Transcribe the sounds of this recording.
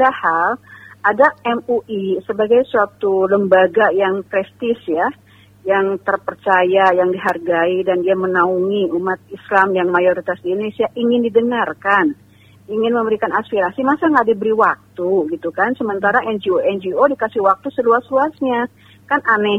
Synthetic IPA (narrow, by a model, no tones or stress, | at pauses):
adahaladaɛmuʔisəbaɡajsuat̪uləmbaɡajaŋpɾɛst̪ɪsja | jaŋt̪ərpərt͡ʃajajaŋdiɦarɡaidandiamənauŋiumat̪̚islamjaŋmajoɾit̪asdidonesiaʔiŋɪndidəŋarkan | iŋɪnməməɾikanaspiɾasimasaŋɡadibəɾiwak̚t̪uɡit̪ukansəmənt̪aɾaʔɛnd͡ʒioɛnd͡ʒiodikasɪhwak̚t̪usəluasluasɲa | kanʔanɛ